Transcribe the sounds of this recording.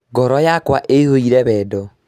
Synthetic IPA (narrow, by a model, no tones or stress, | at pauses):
ɡɔɾɔjakwaʔehoiɾɛβɛdɔ